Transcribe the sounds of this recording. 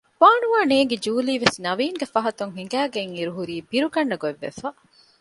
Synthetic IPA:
ʋaːnuʋaːneːŋɡed͡ʒuːliːʋesnɐʋiːŋɡefɐɦɐt̪uŋɦiŋɡæːɡeŋiɾuɦuɾiːbiɾuɡɐɳːɐɡoeʋːḛfɐ

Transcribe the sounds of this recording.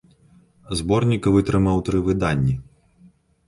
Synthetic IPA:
zbɔrnʲikɐvɨt̪ɾɨmawt̪ɾɨvɨd̪anʲːi

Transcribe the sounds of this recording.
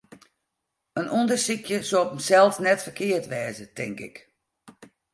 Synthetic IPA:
ənʔondərsikʰjəsoɔpəmsɛlˠsnɛtfərkɪərtʋɛːzətɪŋkɪ̰k

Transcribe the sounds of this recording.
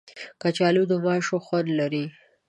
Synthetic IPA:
kat͡ʃɑlud̪əmɑʃoxwaɾlaɾi

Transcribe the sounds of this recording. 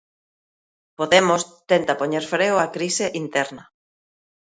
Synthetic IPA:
poðemost̪ent̪apoɲeɾfɾewakɾiseʔint̪ɛɾnɐ

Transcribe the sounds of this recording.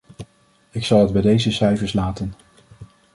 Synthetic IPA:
ɪksɑlˠɦəd̚bɛjdejzəsɛjvəɹslaːtən

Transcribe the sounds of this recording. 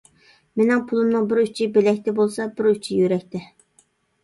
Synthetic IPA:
menɪŋpʰulˠɨmnɨŋbɪɾyt͡ʃʰɪbelɛk̚ʲt̪ɪbolˠsɑbɪɾyt͡ʃʰɪjøɾɛkʲt̪ɪ

